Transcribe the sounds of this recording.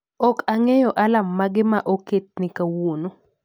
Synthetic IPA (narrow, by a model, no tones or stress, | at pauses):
ɔkaŋɛjɔʔalamːaɡɪmaʔoket̚nɪkawuno